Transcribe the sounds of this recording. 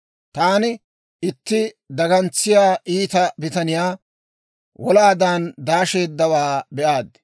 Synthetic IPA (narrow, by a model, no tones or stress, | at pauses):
t̪aːnɪ | ɪt̪ːɪ | d̪ɐɡɐnt͡sːɪjaːʔiːt̪ɐbɪt̪ɐnɪjaː | wɔlaːd̪aːnd̪aːʃe̞ːd̪ːɐwaːbɛʔaːd̪